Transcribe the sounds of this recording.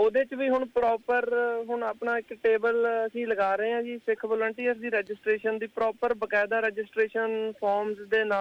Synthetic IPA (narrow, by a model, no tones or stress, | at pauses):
oːd̪eːt͡ʃʋiːɦʊɳpɾɔːpəɾɦʊɳaːpɳaːɪkʈeːbələsĩːləɡaːɾəɦẽːãːd͡ʒiːsɪkʰʋɔːlə̃ɳʈiːəsd̪iːɾɛːd͡ʒɪsʈɾeːʃənd̪iːpɾɔːpəɾbəkɛːd̪aːɾɛːd͡ʒɪsʈɾeːʃənpʰɔːɾmzd̪eːnaː